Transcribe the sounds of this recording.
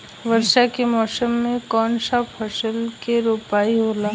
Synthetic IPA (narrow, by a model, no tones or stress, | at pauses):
ʋəɾʃakemɔːsəmːẽkɔːnʃapʰɐʃəlkeɾoːpaːiɦoːlaː